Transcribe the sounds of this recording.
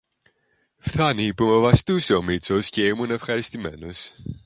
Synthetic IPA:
fθɐnipume̞vɐst̪use̞o̞mit͡so̞sce̞imune̞fxɐɾist̪ime̞no̞s

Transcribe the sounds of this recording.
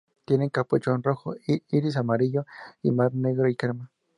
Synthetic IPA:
t̪jeneŋkapot͡ʃonroxoiiɾis̬amaɾiʎoḭmaɾneɣɾoikaɾma

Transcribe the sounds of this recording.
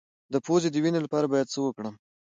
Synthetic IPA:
d̪əpozed̪əwinelapɑɾabɑjad̪̚t͡səwəkɽəm

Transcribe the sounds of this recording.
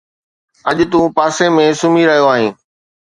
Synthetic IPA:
ɐʄt̪ũːpaːsemẽsʊmiɾɐɦijoaːɦĩː

